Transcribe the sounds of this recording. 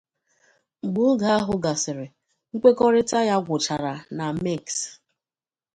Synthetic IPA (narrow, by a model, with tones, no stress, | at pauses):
ŋ͡m̩˨ɡ͡bʊ˦ɡa˨a˦ɦʊ˦ɡa˨sɪ˨ɾɪ˨ | ŋ̩˦kʷe˦kɔ˦ɾɪ˦ta˦ja˦ɡʷʊ˨t͡ʃa˨ɾa˨na˨me˦˨ks